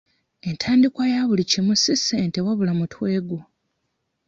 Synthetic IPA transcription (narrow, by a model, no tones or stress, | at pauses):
e̞ntʰaːndikwajaβulicimusiseːntewaβulamutʰwe̞ːɡo